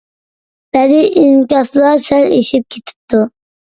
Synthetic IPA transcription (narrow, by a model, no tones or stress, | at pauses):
b̥ɛd̪ɪʔinkʲɑslˠɑɾsɛlḛʃip̚kʲʰet̪ʰɪ̥p̚t̪ʰu